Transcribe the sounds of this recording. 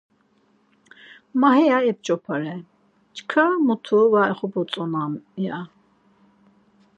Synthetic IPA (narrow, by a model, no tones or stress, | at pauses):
maɦɛjaɛp̚t͡ʃʼɔpʰaɾɛ | t͡ʃkʰamut̪ʰuvaɛχɔbɔt͡s̪ʼɔnamja